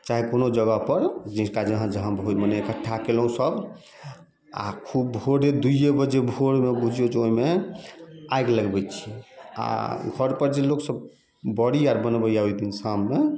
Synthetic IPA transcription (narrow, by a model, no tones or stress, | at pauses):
t͡ʃaɦikonod͡ʒəɡəpəɾd͡ʒikad͡ʒəɦãd͡ʒəɦãbʱomənɛkəʈʰːakelɦũsəb | a̰kʰub̚bʱoɾed̪ujebəd͡ʒebʱoɽmebud͡ʒʱijod͡ʒeoime | ajɡləɡbɛt͡ʃʰi̥a̰ɡʱəɾpəɾd͡ʒeloksəb | bəɽiaɾbənbəjaoid̪insamne